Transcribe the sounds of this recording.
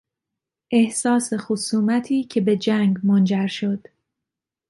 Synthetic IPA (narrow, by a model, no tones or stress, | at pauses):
ʔe̞hsɒːse̞xosuːmæt̪ʰiːcʰe̞be̞d͡ʒæŋɡmond͡ʒæɾʃo̞d̪̥